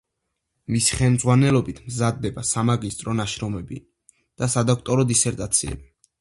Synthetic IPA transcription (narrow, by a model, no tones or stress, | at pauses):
misi̥χɛlmd̪zʁwanɛlɔbit̪ʰmzad̪ːɛbasamaɡist̪ʼɾɔnaʃɾɔmɛbi | d̪̥asad̪akʰt̪ʼɔɾɔd̪isɛɾt̪ʼat̪sʰiɛ̰b̥i